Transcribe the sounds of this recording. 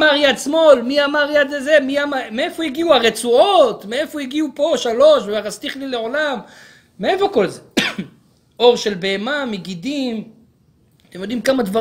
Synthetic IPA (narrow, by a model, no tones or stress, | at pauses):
maʁjad̪smo̞lmiamaʁjad̪zemiamameefo̞jiɡiuaʁet͡suot̪meefojiɡiupo̞ʃalo̞ʃveaʁast̪iχlileʕo̞lamː | eefo̞ko̞lze | o̞ʁʃe̞lbeemameɡid̪im | at̪emjo̞d̪imkamad̪va